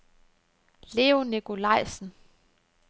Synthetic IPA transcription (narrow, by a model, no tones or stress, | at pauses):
le̝ːonikʰo̝lɑ̈ɪ̰sn̩